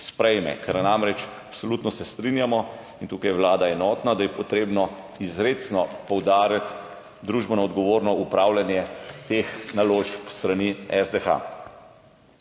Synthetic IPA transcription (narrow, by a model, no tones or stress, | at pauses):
spɾɛjmɛ̰kʰɛɾnamɾɛt͡ʃapsɔlut̪nɔsɛst̪ɾinjamɔ | int̪uːkajɛwlaːd̪aɛnɔːt̪nad̪ajɛpɔt̪ɾeːbnɔ | izɾet̪snɔpɔwd̪aːɾjat̪ | d̪ɾuːʒbɔnaɔd̪ɡɔʋoːɾnɔupɾaːwljanjɛt̪exnaloːʃpst̪ɾaniɛzd̪ɛxa̰